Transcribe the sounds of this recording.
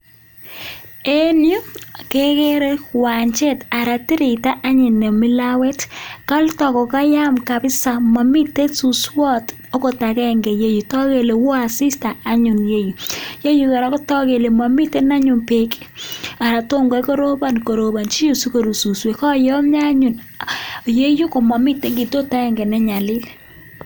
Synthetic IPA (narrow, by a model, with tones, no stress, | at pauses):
e˦nju˦˨ke˦ke˦ɾe˦kwa˨ɲt͡ʃe˦ta˨ɾa˨ti˦ɾɪ˨ta˦ʔa˦ɲɪ˨ne˨mɪ˦la˦we˦tka˦ltɔ˨kɔ˨ka˦ja˦mka˨pɪ˦sa˨ma˨mɪ˦te˦su˨swɔ˦t | o˦ko˨ta˨kɛ˦ŋɡe˨je˦ju˨tɔ˦ke˨le˨wɔ˦a˨sɪ˦sta˨a˦ɲʊ˨nje˦ju˨je˦ju˨kɛ˨ɾa˨˦kɔ˦tɔ˦ke˨le˨ma˨mi˦tɛ˦na˦ɲʊ˨npe˨ka˨ɾa˨to˦ŋɡɔ˦ko˦ɾo˦ba˦˨n˨ko˨ɾo˨ba˨nt͡ʃi˦ju˨su˦ko˨ɾu˨su˨swe˨kɔ˦jɔ˦mɲa˦ɲu˨n˨ | je˦ju˦ko˨ma˨mɪ˦tːe˨ŋɡi˨to˦ta˦ɛ˨ŋɡɛ˨nɛ˦ɲa˨lɪ˦l